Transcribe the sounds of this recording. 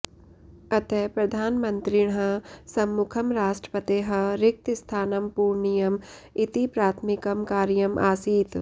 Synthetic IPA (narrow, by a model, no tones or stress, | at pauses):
ɐt̪epɾɐd̪ʱaːnmɐnt̪ɾiɽɦɐsɐmːukʰɐmɾaːʃʈɾə̥pɐt̪eːɦɐɾɪk̚t̪ist̪ʰaːnɐmpuːɾɳijɐmɪt̪ipɾaːt̪ʰmɪkɐmkaːɾjɐmʔa̰ːsiːt̪